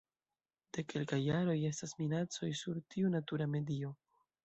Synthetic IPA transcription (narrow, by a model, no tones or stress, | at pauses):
d̥e̞ke̞lkajːaɾo̞je̞stasminat͡so̞jsuɾtʰiunatuɾame̞dio̞